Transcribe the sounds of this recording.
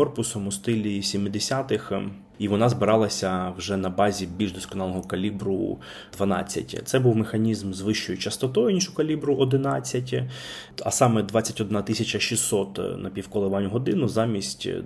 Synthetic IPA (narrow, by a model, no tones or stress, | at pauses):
ɔrpʊsɔmʊst̪ɪlʲisʲimɪd̪esʲat̪ɪx | iʋɔnɑzbɪɾɑlˠɐsʲɐwʒɛnɐbɑzʲibʲilʲʒd̪ɔskɔnɑlˠɔɦɔkɐlʲibɾʊ | d̪ʋɐnɑ̰t͡sʲːɐ̰tʲt̪sɛbuwmexɐnʲizmzʋɪʃt͡ʃɔjʊt͡ʃɐst̪ɔt̪ɔjʊnʲiʃʊkɐlʲibɾʊʔɔd̪ɪnɑt͡sʲːɐtʲ | ɐ̰sɑmɛd̪ʋɑt͡sʲːɐtʲɔd̪nɑt̪ɪsʲɐt͡ʃɐʃisːɔt̪nɐpʲiwkɔlˠeʋɑnʲʊɦɔd̪ɪnʊzɑmʲisʲtʲ